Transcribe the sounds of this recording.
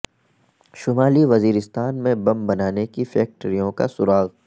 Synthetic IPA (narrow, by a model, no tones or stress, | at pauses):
ʃʊmaːliʋɐziːɾɪst̪aːnmẽbɐ̃mbɐnaːnekifɛːk̚ʈɾijõka̰sʊɾaːɣ